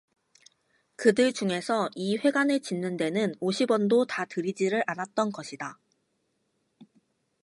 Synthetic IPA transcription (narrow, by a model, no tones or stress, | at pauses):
kɯdɯɭd͡ʑuŋe̞sʰʌiɸwe̞ɡanɯɭt͡ɕinːɯnde̞nɯnoɕʰibwʌndotatɯɾid͡ʑiɾɯɾʔanat̚t͈ʌnɡʌɕʰida